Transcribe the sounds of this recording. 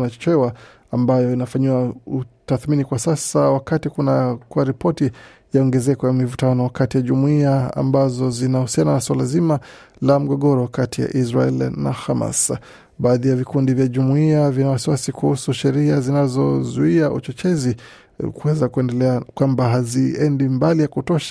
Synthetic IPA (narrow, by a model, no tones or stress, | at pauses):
nat͡ʃɔ̥t͡ʃɛwa | ambajɔinafaɲiwautaθminikwasasawakatikunakuwaɾipɔti | jaɔŋɡɛzɛkɔjamivutanɔwakatijaʄumuiaa̰mbazɔzinahusiananaswalazima | lam̩ɠɔɠɔɾɔkatija̰ʔizɾa̰ɛlna̰hama̰s | ɓaaːðijavikundivjaʄumuiavinawasiwasikuhusuʃɛɾiazinazɔzuiaʔṵt͡ʃɔt͡ʃɛzi | kuwɛzakuɛndɛlɛakwambaɦaziɛndimbalijakutɔʃḁ